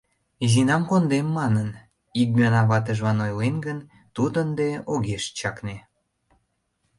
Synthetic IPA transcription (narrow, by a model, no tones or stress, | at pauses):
izinɑmkond̪emːɑnən | ik̚myɑnɑβɑt̪əʒβɑnojlenɡən | t̪ud̪ənd̪eoɣeʃt͡ɕɑkne